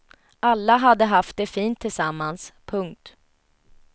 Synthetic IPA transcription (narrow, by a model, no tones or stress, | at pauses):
ʔalːaɦad̪ːəɦaft̪̚d̪ɛfiːnt̪ʰːɪlsamːanspʰɵŋk̚t̪